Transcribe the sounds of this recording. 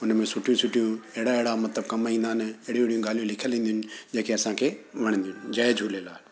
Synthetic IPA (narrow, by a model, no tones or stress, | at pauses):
ʊnmẽsʊʈʰijũsʊʈʰijuɛɦɪɽaeɦɪɽamɐt̪ləb̚kɐmaĩːnd̪aːɪnɪeɦɽij̃ɦɽijũɡaːlijũlɪkʰjəlĩːnd̪ijʊnɪ̆d͡ʑeːkeɐsãkʰeʋɐɽ̃ə̃nd̪ijʊnɪ̆d͡ʑɐːed͡ʑʱuːlelaːe